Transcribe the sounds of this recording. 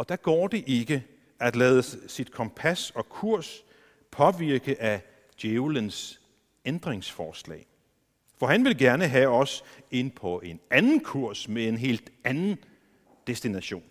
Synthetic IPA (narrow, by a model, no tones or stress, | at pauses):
ɒ̽d̥æɡ̥ɒ̰ːd̥e̝ʔe̝ɡ̥ə | æd̥lɛːðˠəsid̥kʰɒ̽mpʰæsɒ̽kʰuɐ̰s | pʰɒ̽ʋiɐɡ̥əʔæ | d̥jeʊləns | end̥ʁeŋsfɒːslɛ̰ː | fɒ̽ɦænʋe̝lɡ̥æɐnəɦæɒ̽se̝n̰pʰɒ̽ʔe̝nænn̩kʰuɐ̰smee̝nɦe̝̰ːld̥ænn̩ | d̥esd̥inæɕo̝̰ːn